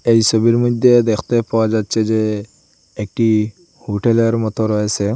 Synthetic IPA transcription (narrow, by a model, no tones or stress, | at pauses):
ejsɔbiɾmɔd̪ʱjed̪ekʰt̪epawad͡ʒad̪̚t͡ʃʰed͡ʒeː | k̚ʈi | huʈeleɾmɔt̪ɔɾɔesʰe